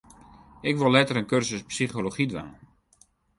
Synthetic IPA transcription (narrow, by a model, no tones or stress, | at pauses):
ɪkʋolˠɛtəɾənkørzəspsiχoloχidʋa̰ːə